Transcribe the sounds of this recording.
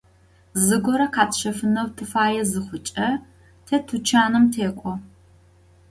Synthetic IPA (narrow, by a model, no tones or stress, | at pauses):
zɨɡʷɔɾɐqʰaːtɕɐfɨnɐwtʰɨfaːjɛzɨχʷʊt͡ʃʼɐ | tʰeːtʰut͡ʃʰaːnɨmtʰeːkʷʼɔ